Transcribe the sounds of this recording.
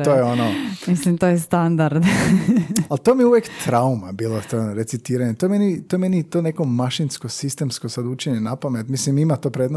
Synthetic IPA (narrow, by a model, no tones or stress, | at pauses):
t̪ojeonomislimt̪oːjɛst̪and̪aɾd̪ | alt̪omieuʋjekt̪ɾaumabiːlˠot̪onɾe̞t̪sit̪iːɾaɲet̪ojemenit̪oemenit̪oneko̞maʃinskosist̪e̞msko̞sad̪ut͡ʃeɲenapamet̪mislimimat̪o̞ːpɾeːd̪no